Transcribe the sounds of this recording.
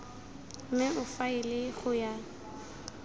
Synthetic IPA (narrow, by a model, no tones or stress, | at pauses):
m̩mɪʊfaɪlɪɣʊja